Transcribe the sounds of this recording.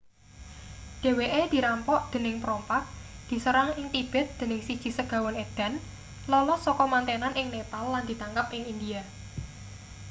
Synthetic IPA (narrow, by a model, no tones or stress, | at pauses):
ɖ̪̥e̤weʔed̪̥i̤ɾampɔʔd̪̥ə̤nɪŋpɾɔmpak̚d̪̥i̤səɾaŋɪŋt̪ib̥ɛ̤t̪̚d̪̥ə̤nɪŋsid̥ʒ̥i̤səɡ̥ä̤wɔned̪̥a̤n | lɔlɔsɔkɔmant̪enanʔɪŋnepalːand̥̪i̤t̪aŋkəp̚ʔɪŋind̪ia